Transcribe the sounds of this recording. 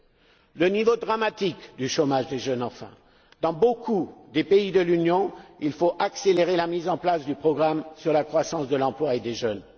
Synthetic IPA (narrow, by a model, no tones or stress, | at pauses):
lənivod̪ʁamat̪ikd̪yʃomaʒd̪eʒœnɑ̃fɛ̰̃ | d̪̥ɑ̃bokʰud̪epeid̪əlynjɔ̃ilfoʔakseleʁelamizɑ̃plasd̪ypχɔɡʁamsyʁlakχwasɑ̃sd̪əlɑ̃plwaed̪eʒœn